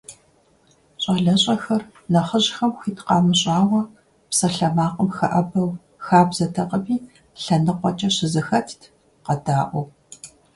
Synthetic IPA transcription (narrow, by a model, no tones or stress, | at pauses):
ɕʼɐɮɐɕʼɐxɐr | nɐχəʑxɐmxitʰqɑːmɨɕʼɑːwɐ | psɐɬɐmaːqʼəmxɐ̰ʔɐbɐw | xaːbzɐtʰɐqʼəbiː | ɬɐnɨqʷʼɔt͡ʃʼɐɕɪzɨxɐtʰtʰ | qɐdaːʔʷɔw